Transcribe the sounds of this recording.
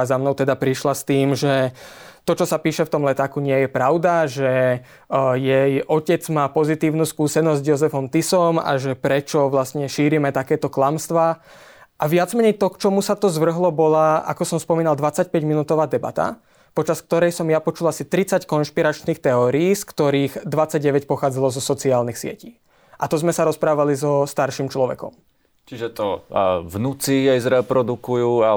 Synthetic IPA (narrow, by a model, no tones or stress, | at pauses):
azamnɔʊt̪ɛd̪apɾiʃlast̪iːmʒɛt̪ɔt͡ʃɔsapiːʃɛft̪ɔmlɛt̪aːkuɲɪɛjɛpɾaʊd̪aʒɛ | jɛjʔɔcɛd͡zmaːpɔzit̪iːʊnuːskuːsɛnɔzzjɔzɛfɔmt̪isɔma̰ʒɛpɾɛt͡ʃɔʋlast̪ɲɛʃiːɾimɛt̪akɛːt̪ɔklamst̪ʋaː | ʔaʋɪad͡zmɛɲɛjt̪ɔkt͡ʃɔmusat̪ɔzʋr̩ɦlɔbɔlaa̰kɔsɔmspɔmiːnald̪ʋat͡sac̚pɛɟminuːt̪ɔʋaːd̪ɛba̰t̪a̰ | pɔt͡ʃask̚t̪ɔɾɛjsɔmjapɔt͡ʃulasit̪ɾit͡sackɔnʃpiɾat͡ʃniːxt̪ɛɔːɾiiːskt̪ɔɾiːɣd̪ʋat͡sːaɟ̚ɟɛʋɛcpɔxaːd͡zalɔzɔsɔt͡siaːlnixsɪɛ̰ciː | ʔat̪ɔzmɛsaɾɔspɾaːʋalizɔst̪aɾʃiːmt͡ʃlɔʋɛ̰kɔ̰m | t͡ʃiʒɛt̪ɔvnut͡siɛjzɾɛpɾɔd̪ukujuːa